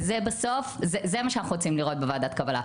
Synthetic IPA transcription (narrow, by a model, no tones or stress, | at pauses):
zebaso̞fzezemaʃeanaχnuʁot͡simliʁo̞t̪̚bevaːd̪atkabala̰